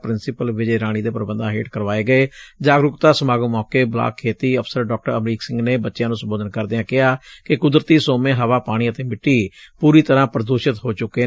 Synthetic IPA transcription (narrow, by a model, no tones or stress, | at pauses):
pɾɪnsɪpəlʋɪt͡ʃeɾaːɽ̃iːd̪eːpəɾəbənd̪ãːɦḛːʈkəɾʋaːeːɡəeːd͡ʒaːɡɾʊkt̪aːsəmaːɡmɔːkeːbla̰ːkʰːeːt̪iːəpʰsəɾɖɔːk̚ʈəɾəmɾiːksɪ̃ŋɡneːbətːʃjãːnũːsəmboːd̪ənkəɾd̪eːãːkɪɦaːkɪkʊd̪ɾət̪iːsoːmẽːɦəʋaːpaːɽ̃iːət̪eːmɪʈːiːpuːɾiːt̪əɾãːpɾəd̪oːʃɪt̪ɦoːt͡ʃʊkːeː